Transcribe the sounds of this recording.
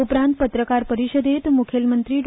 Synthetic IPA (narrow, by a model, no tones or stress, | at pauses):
upɾãnt̪̚pət̪ɾəkaɾpəɾiʃəd̪et̪mukʰelmənt̪ɾiɖ